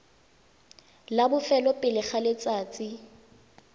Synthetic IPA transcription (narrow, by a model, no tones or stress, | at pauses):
labʊfɛlɔpʼɪlɪχalɪt͡sʼaːt͡sʼi